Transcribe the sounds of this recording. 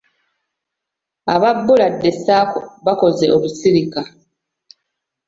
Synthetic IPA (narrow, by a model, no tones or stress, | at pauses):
aβabːuladːesaːkoβako̞ze̞ʔoβusiɾika